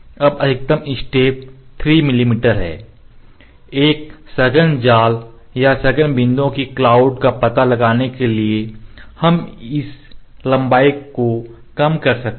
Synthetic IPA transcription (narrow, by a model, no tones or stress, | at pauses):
ɐbɐɪk̚t̪əmɪsʈeːp̚t̪ʰɾiːmɪlimiːʈəɾɦɛ̰ː | eːk̚sɐɡənd͡ʒaːl | jasɐɡənbɪ̃nd̪õkiklaːʊɖkapɐt̪alɐɡaːnekeliehɐmɪs | lɐ̃mbaːɪkːo | kɐmkɐɾsɐk̪̚